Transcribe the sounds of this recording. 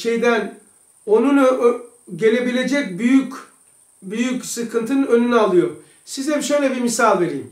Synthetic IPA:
ʃe̞jd̪æn | o̞nun | ɟe̞lʲe̞bilʲe̞d͡ʒɛc̚byjyc | byjycsɯkʰɯnt̪ʰɯnønynɛalˠɯjo | sizɛbʃejlʲɛbimisalʲˠve̞ɾḭːm

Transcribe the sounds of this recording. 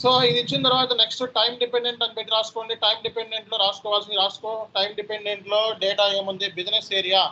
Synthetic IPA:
soːid̪it͡ʃːint̪ɐɾuʋaːt̪ɐneksʈɨʈɐjmɖipeɳɖe̞ɳʈɐnpeːʈiɾaːsu̥koːɳɖiʈɐjmɖipeɳɖeɳʈlo̞ːɾaːsu̥kɔːʋaːls̬ind̪iɾaːsu̥koːʈɐjmɖipeɳɖeɳʈloːɖeːʈaːjeːmɐnd̪ibid͡ʒneseːɾijaː

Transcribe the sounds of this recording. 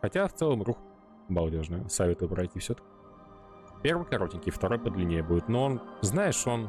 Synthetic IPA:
xɐtʲaft̪sɛlˠəmɾux | mɐlˠdʲo̞ʐnəjəsɐvʲet̪əjəpɾɐjtʲifsʲt̪ə̥kʲɪ | pʲe̞rvɨjkɐɾo̞tʲɪnʲkʲɪft̪ɐɾo̞jpəd̪lʲɪnʲejəbudʲɪt̪no̞onznajɪʂon

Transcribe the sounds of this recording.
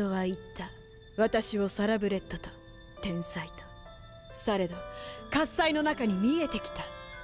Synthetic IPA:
o̞βait̪ːa | βat̪aɕiβo̞saɾabɯ̟ɾe̞t̪ːo̞t̪o̥ | t̪ẽ̞ɰ̃sait̪o̥ | saɾe̞d̪okasːaino̞nakaɲ̟imʲie̞t̪e̞kʲi̥t̪a

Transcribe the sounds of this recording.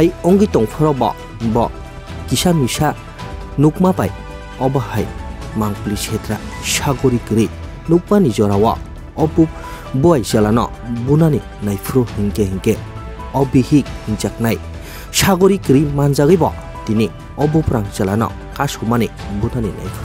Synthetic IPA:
hajɔŋɡitɔŋpʰɔɾɔbɔ̰ | bɔ | kisamisa | nukmapaj | ɔbahajmaŋklisʰetɾasaɡɔɾikɾi | nuk̚manizɔɾawɔ̰ | ɔbu | buajzalanɔ̰ | bunani | najpʰuɾɔhiŋkehiŋke | ɔbihik̚hiŋt͡ʃak̚naj | saɡɔɾikɾimanzaɣɯjbɔ̰ | tini | ɔbɔpɾaŋzalanɔ̰ | kasɔmanibunanina̰jpʰɾ

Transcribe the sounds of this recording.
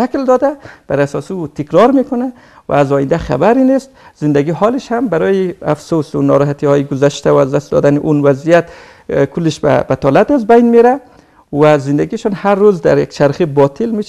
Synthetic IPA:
ʃakld̪ɒd̪ab̥aɾasɔːsiut̪ʰɪkɾɒɾmekʊna | wa̰ːzɔjind̪aχa̰baɾinest̪z̥ɪnd̪æɡiɦɔlɪʃhambaɾɔjiafsosunɔ̰ɾɔɦat̪ihɔːjiɡʊzaʃt̪aazd̪ast̪̚d̪ɔ̰d̪anɪʔunwazijat̪ | kʰʊlːɪʃb̰bat̪ʰɔlat̪azbajnmeɾa | wazɪnd̪aɡiʃɔnhaɾːuzd̪aɾja̰kt͡ʃʰaɾχibɒt̪ʰɪlmeʃ

